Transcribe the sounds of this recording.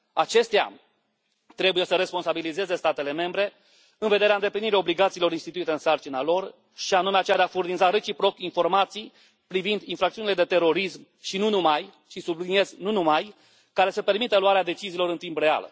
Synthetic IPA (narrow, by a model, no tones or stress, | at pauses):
at͡ʃe̞st̪ea̰ | t̪ɾe̞buje̞səɾe̞spo̞nsabilize̞ze̞st̪at̪e̞le̞me̞mbɾe̞ | ɨnve̞d̪e̞ɾeaɨnd̪epliniɾio̞bliɡat̪silo̞ɾinst̪it̪uit̪e̞ɨnsart͡ʃinalo̞r | ʃianume̞at͡ʃead̪eafurnizaɾe̞t͡ʃipɾo̞kinfo̞rmat̪sij | pɾivind̪infɾak̚t̪iunile̞d̪e̞t̪e̞ɾo̞ɾism | ʃinunumaj | t͡ʃisublinie̞znunumaj | kaɾe̞səpe̞rmit̪əluaɾead̪e̞t͡ʃiziːlo̞ɾɨnt̪imbre̞a̰l